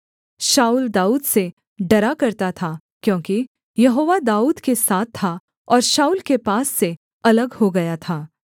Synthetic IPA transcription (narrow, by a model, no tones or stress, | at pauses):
ʃaːuːld̪aːuːd̪se | ɖɐɾakɐɾt̪at̪ʰa | kjõːki | jɐɦoːʋad̪aːuːd̪kesaːt̪ʰːa | ɔːɾʃaːuːlkepaːsːe | ɐləɡhoɡɐjat̪ʰaː